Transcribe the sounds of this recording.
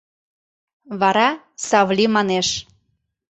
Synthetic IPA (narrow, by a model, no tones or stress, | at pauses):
βɑɾɑ | sɑβlʲimɑneʃ